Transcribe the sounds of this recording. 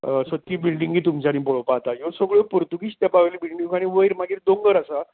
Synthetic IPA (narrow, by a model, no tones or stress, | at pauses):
sət̪ːiːbilɖĩŋɡiːt̪umt͡ɕañĩpoɭopat̪ajosəɡɭopuɾt̪uɡiɕt̪japaʋelibilɖĩŋaɽ̃iʋəiɾmaɡiːɾd̪õŋɡəɾasa